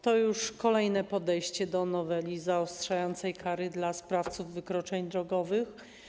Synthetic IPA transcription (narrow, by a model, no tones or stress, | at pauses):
t̪ɔjuʂkɔlɛjnɛpɔd̪ɛjɕt͡ɕɛd̪ɔnɔvɛlʲizaɔstʂajɔnt̪sɛjkʰaɾɘd̪laspɾaft̪suvːɘkɾɔt͡ʂɛɲd̪ɾɔɡɔvɘx